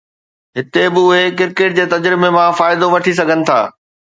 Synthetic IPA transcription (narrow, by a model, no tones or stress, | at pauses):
ɦɪt̪ebɪʊɦekɪɾkeːʈ̚d͡ʑeːt̪ɐd͡ʑɾɪmemãfaːɪd̪oʋɐʈʰis̬ɐɡʱənɪ̆t̪ʰa̰ː